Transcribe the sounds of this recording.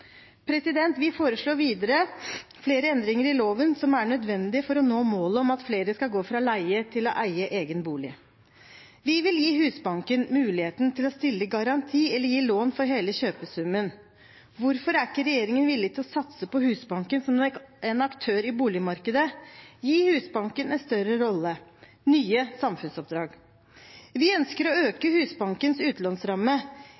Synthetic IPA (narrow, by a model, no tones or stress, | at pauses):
pʰɾɛsɪd̪ɛnt̪ʋɪfoːɾəʂɭoːɾʋiːd̪əɾəfleːɾəɛnd̪ɾɪŋəɾɪloːʋənsɔmæɳœd̪ʋɛnd̪ɪəfɔɾɔnoːmoːləɔmɑt̪fleːɾəskɑlɡoːfɾɑlæɪət̪ʰɪlɔ̰ʔæɪəʔeːɡənbuːlɪ̰ | ʋɪʋɪljiːɦʉːsbɑŋkənmʉːlɪheːt̪n̩t̪ʰɪlɔst̪ɪlːəɡɑɾɑnt̪ʰiːɛlːəjiːloːnfɔɾɦeːləɕøːpəsʉmən | ʋʊɾfɔɾækːəɾɛjeːɾɪŋənʋɪlːɪɡt̪ʰɪlɔsɑt̪səpɔhʉːsbɑŋkənsɔmɛnɑkt̪ʰøːɾɪbuːlɪmɑɾkəd̪əjiːhʉːsbɑŋkənɛnst̪œɾəɾɔlːə | nyːəsɑmfʉnsɔp̚d̪ɾɑːɡ | ʋɪœnskəɾɔøːkəhʉːsbɑŋkənsʉːt̪lɑnsɾɑmːə